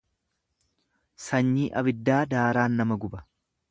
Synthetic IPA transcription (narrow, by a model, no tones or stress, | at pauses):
sɐɲːiːʔɐbɪd̪ːaːd̪aːɾaːnːɐmɐɡʊbɐ